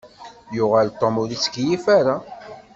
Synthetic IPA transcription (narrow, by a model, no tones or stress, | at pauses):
jʊʁalt̪ˤːomʊlit͡sːkjifaɾa